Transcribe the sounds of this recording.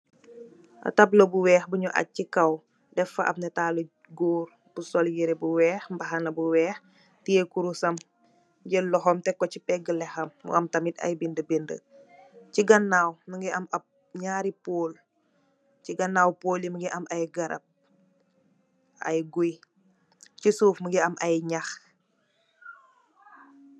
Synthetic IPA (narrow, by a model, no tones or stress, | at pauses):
ʔɐ̰tɐblobuwɛːxbuɲuʔɐ̰t̚cikɐw | dɛfɐʔɐ̰p̚nɐtaːlo | ɡoːr | b̥usɔljiɾɛbuwɛːxmbɐɦɐnɐbuwɛːx | tiekuɾusɐm | ɟəlɔɦɔmtɛkːɔcipɛɡəlɛxɐmːṵɐmtɐmitɐ̰jbindəbendə̰ | ciɡɐnːaːwməŋɡiʔɐmɐp̚ | ɲaːɾipoːl | ciɡɐnːaːwpoːliməɡiʔɐmʔɐjɡɐɾɐ̰p̚ | ɐ̰jɡuj | cisuːfməɡiɐmɐjɲax